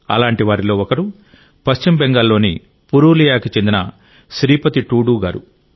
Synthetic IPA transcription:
ɐ̰laːɳʈiʋaːɾilo̞ːɔkɐɾu | pɐʃt͡ʃimbeŋɡaːlːo̞ːni | puɾuːlijaːkit͡ʃe̞nd̪inɐ | ʃɾiːpɐt̪iʈuːɽuːɡaːɾṵ

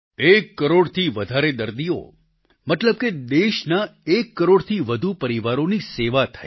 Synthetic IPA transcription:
ekːəɾoɽt̪ʰiʋəd̪ʱaɾed̪əɾd̪io̰ | mət̪ləb̚ked̪eʃnaekːəɾoɽt̪ʰiʋəd̪ʱupəɾiʋaɾoniseʋat̪ʰa̰i

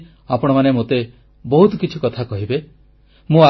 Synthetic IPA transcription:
apɔɽ̃ɔmanemot̪e | bɔɦut̪ɔkit͡ʃʰikɔt̪ʰakɔɦibe | mũa

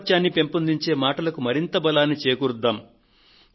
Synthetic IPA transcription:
t͡ʃaːnːipe̞mpund̪iɲt͡ʃe̞ːmaːʈɐlɐkumɐɾint̪ɐbɐlaːnːit͡ʃeːkuɾd̪ːaːm

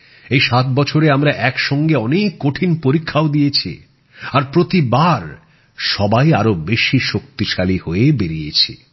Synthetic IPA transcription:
ejʃat̪̚bɔt͡ɕʰoɾeamɾaʔɛkʃɔŋɡeɔnekːoʈʰinpoɾikʰːaod̪ijet͡ɕʰḭ | aɾpɾot̪ibaɾ | ʃɔbajaɾobeʃiʃok̚t̪iʃalihoebeɾijḛt͡ɕʰi

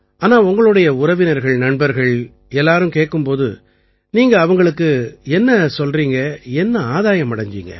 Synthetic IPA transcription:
aːnaːʊŋɡɐɭɯɽɐjɐʊɾɐʋɪnɐɾɣɐɭnɐɳbɐɾɣɐɭ | ɛlːaːɾɯmkeːʈkːɯmpoːðɯ̰ | niːŋɡɐːʋɐŋɡɐɭɯkːɯɛnːɐsɔlriːŋɡɐɛnːɐaːðaːjɐmːɐɽɐɲd͡ʒḭːŋɡɐ̰

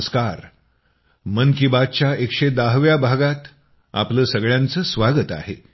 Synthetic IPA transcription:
skaɾ | mənkibad̪̚t͡ɕjaekʂed̪aɦʋjabʱaɡat̪ | a̰pləːsəɡɭjãnt͡səːsʋaɡət̪a̰ɦe

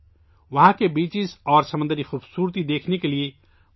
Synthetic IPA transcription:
ʋɐɦãkebiːt͡ʃɪsɔːɾsɐmə̃nd̪əɾixuːbsuːɾt̪id̪eːkʰnekelie

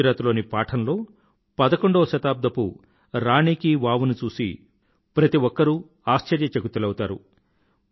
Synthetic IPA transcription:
ɾaːt̪ulo̞ːnipaːʈʰɐnlo̞ː | pɐd̪ɐko̞ɳɖoːʃɐt̪aːb̚d̪ʱɐpṵ | ɾaːɳiːkiʋaːʋunut͡ʃuːsḭ | pɾɐt̪iʋɔkːɐɾu | aːʃt͡ʃɐɾjɐt͡ʃekut̪ilɐwut̪aːɾu

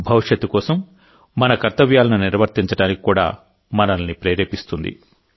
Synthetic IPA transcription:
bʱɐʋiʂjɐt̪ːukɔːsɐmː | ɐnɐkɐɾt̪ɐʋjaːlɐnuniɾʋɐɾt̪iɲt͡ʃɐɽaːniki̥kːuːɽa̰ː | mɐnɐlɐnipɾeːɾeːpist̪und̪ḭ

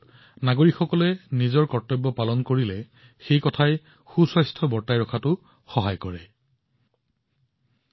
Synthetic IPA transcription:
naɡoɹikxɔkɔlɛnizɔɹkɔɹtːɔbːɔpalɔnkoɹilɛ | xejkɔtʰaj | xusɔjstʰɔbɔɹtajɹɔkʰatʊ | xɔɦajkɔɹɛ

